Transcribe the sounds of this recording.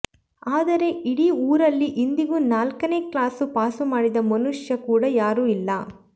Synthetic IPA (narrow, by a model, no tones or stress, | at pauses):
aːd̪ɐɾe̞iɽiuːɾɐlːiʔind̪iɡuːnaːlkɐne̞ːklaːsupaːsumaːɽid̪ɐmɐnuʂjɐkuːɽɐjaːɾuːilːɐ